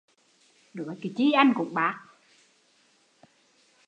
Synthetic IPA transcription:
ɗɨ˨˩˦ki˨˩t͡ɕi˧˦ʔa˧jŋkʊ̰˧˩˥ŋ͡mɓaː˨˦˥k̚

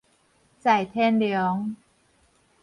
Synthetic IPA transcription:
t͡ɕa˨˩jt̪ʰeː˥˩nljɔ˨˦˥ŋ

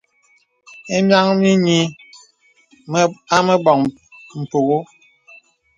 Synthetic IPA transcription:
e˦mja˦ŋmi˦ɲi˦ | a˦me˦bɔ˨ŋ | m̩˨po˨ɣo˦

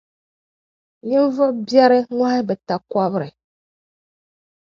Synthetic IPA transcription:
ɲɨ˦ɱ˦vɨ˦ʔbjɛ˦ɾɨ˦ŋʷa˦ɪ˦bɛ˨ta˨ka˦βɨ˦ɾɨ˨

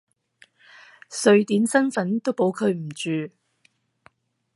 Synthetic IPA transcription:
sɵ˨˧ɥt̪iː˨˥nsɐ˥nfɐ˨˥nt̪o˥wpo˨˥wkʰɵ˨˧ɥm̩˨˩t͡ʃyː˨˧

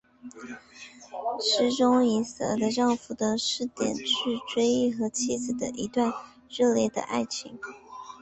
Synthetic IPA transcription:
ʂɻ̩˧˥ʈ͡ʂʊ˥ŋi˧˥sə̰˨˩lə˧˥ʈ͡ʂɑ˥˩ŋfu˧˩d̪ə˧˦ʂɻ̩˥˩t̪jɛ̰˨˩nt͡ɕʰy˥˧ʈ͡ʂwe˥ɪi˥˩xɤ˧˥t͡ɕʰi˥d͡zɹ̩˨˩d̪ə̰˦ʔi˧˥t̪wa˥˧n | ɻɤ˥˧ljɛ˥˩d̪ə̰˩ʔa̰˥˩ɪt͡ɕʰḭ˧˥ŋ

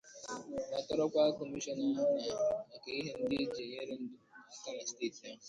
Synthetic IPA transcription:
na˨tɔ˦ɾɔ˦kʷa˦kɔ˨mi˦ʃɔ˦nɔ˦ŋa˦na˨a˨ke˨i˦ɦɪ˨n̩˦di˦d͡ʒe˨je˦ɾɪ˦n̩˦do˨na˨ta˦ma˨ste˦ta˦˨

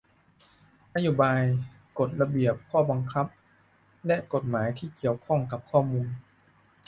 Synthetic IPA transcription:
ʔa˧juː˧˩baː˧j | ko˨˩t̪̚la˧bi˨˩əp̚kʰɔː˧˥˩ba˧ŋkʰa˦˥p̚ | lɛ˦˥ʔko˨˩t̪̚maː˩˦jt̪ʰiː˥˩ki˨˩əwkʰɔ˥˩ŋka˨˦p̚kʰɔː˥˩muː˧n

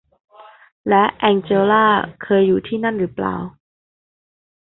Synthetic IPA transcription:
lɛ˦˥ʔʔɛ˧ŋt͡ɕeː˧laː˥˩kʰɤː˧jːuː˨˩t̪ʰiː˥˩na˥˩nɾɯː˩˦˥pla̰ː˨˩w

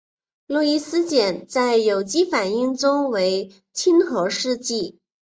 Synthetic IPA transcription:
lɔ˥˧i˥˧sɹ̩˥t͡ɕjɛ˨˩nt͡sa˥˩ɪjo˨˩ʊt͡ɕi˥fa˨˩ni˥˩ŋʈ͡ʂʊ˥ŋwe˧˥ɪ | t͡ɕʰi˥nxɤ˧˥ʂɻ̩˥˧t͡ɕi˥˩

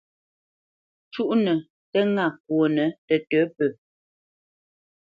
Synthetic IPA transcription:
t͡ʃu˦ʔnə˨ | tɛ˦ŋa˦˨k̚wo˨nə˨˦tə˨tə˨˦pə˨

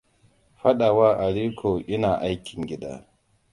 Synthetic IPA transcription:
ɸɐ˦ɗa˨waː˦ʔa˨ɽiː˦kʰoː˨ʔɪ˦naː˨ʔa˦jkʲɪ˨ŋɡʲɪ˦da̰ː˦

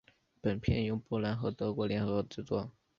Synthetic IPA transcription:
pə˨˩npʰjɛ˥˧njʊ˥˩ŋpu˥˩la˧˥nxɤ˧˥t̪ɤ˧˥kwɔ˧˥ljɛ˧˥nxɤ˧˥˧ʈ͡ʂɻ̩˥˧t͡swɔ˥˩

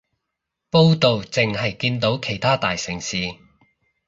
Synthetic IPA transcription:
po˥wt̪o˨wt͡sɪ˨ŋhɐ˨jkiː˧nt̪o˨˥wkʰe˨˩jt̪ʰaː˥t̪aː˨jsɪ˨˩ŋsiː˨

